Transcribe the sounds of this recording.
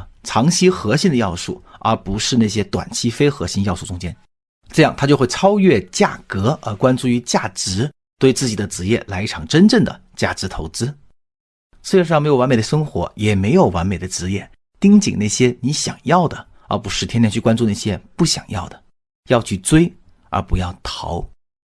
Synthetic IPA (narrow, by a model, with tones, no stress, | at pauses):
ʈ͡ʂʰɑ˧˥ŋɕʰi˥xɤ˧˥ɕi˥nd̪ə˧jɑ˥˧ʊʂu˥˩ə˞˧˥pu˧˥ʂɻ̩˥˧na˥˩ɕ̬jɛ˥t̪wa̰˨˩nt͡ɕʰi˥fe˥ɪxɤ˧˥ɕi˧˥njɑ˥˧ʊʂu˥˩ʈ͡ʂʊ˥ŋt͡ɕjɛ˥n | ʈ͡ʂɤ˥˧jɑ˥˩ŋt̪ʰa˥t͡ɕjo˥˧ʊxwe˥˩ɪt͡sʰɑ˥ʊɥɛ˥˧t͡ɕja̰˥˩kɤ˧˥ʔə˞˧˥kwa˥nt͡su˥˩y˧˥t͡ɕja˥˩ʈ͡ʂɻ̩˧˥ | t̪we˥˧ɪt͡sɹ̩˥˩t͡ɕi˨˩d̪ə˦t͡sɻ̩˧˥jɛ˥˩la˧˥ɪi˥˩ʈ͡ʂʰɑ˨˩ŋʈ͡ʂə˥nʈ͡ʂə˥˩ŋd̪ə̰˩t͡ɕja̰˥˩ʈ͡ʂɻ̩˧˥t̪ʰo˧˥ʊt͡sɹ̩˥ | sɹ̩˥ɻʂŋme˥jo˨˩a˧˥nme˨˩d̪ə˦ʂɤ˥ŋxwɔ̰˧˥jɛ˨˩me˧˥ɪjo˨˩ʊwa˧˥nme˨˩ɪd̪ə˦t͡sɻ̩˧˥jɛ˥˩ | t̪i˥ŋt͡ɕi˨˩ŋna˥˩ɪɕjɛ˥ni˧˥ɕjɑ̰˨˩ŋjɑ˥˩ʊd̪ə˩ | ə̰˧˥pu˧˥ʂɻ̩˥˩t̪ʰjɛ˥njɛ˥˧nt͡ɕʰy˥˩kwa˥nt͡su˧na˥˩ɕjɛ˥pu˥˩ɕjɑ̰˨˩ŋjɑ̰˥˩ʊd̪ə˩ | jɑ˥˧ʊt͡ɕʰy˥˩t͡swe˥ɪ | ə̰˧˥pu˧˥jɑ˥˩ʊt̪ʰɑ˧˥ʊ